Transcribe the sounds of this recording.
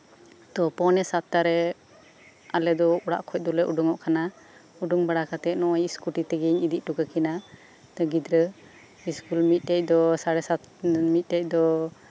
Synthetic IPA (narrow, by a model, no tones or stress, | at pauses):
t̪ɔpɔnɛsat̪ːaɾɛ | alɛd̪ɔuɽa̰ʔkʰɔc̚ˀd̪ɔlɛʔuɖuŋɔʔkʰana | uɖuŋbaɽakat̪ɛʔnɔajiskuʈit̪ɛɡɛɲid̪iʔ̚ˀʈukakina | t̪ɔɡid̪ɾə | iskulmit̪̚ˀʈɛc̚ˀd̪ɔsaɽɛsat̪ | mit̪̚ˀʈɛc̚ˀd̪ɔ